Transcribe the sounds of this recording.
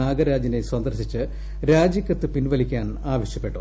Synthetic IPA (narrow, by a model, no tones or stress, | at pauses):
aːɡɐɾaːd͡ʑineswɐnd̪ɐrɕit͡ɕːɨ | ɾaːd͡ʑjɐkʲːɐt̪ːɨpinʋɐlikʲːaːn | aːʋɐɕjɐpːe̞ʈːṵ